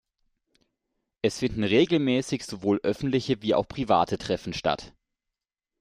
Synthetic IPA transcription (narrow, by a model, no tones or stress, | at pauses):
ʔɛsfɪndn̩ʁeːɡl̩mɛːsɪçz̥ovoːlʔœfn̩tlɪçəviːa̰ʊxpʁ̥iva̰ːtʰətʁ̥ɛfn̩ʃta̰t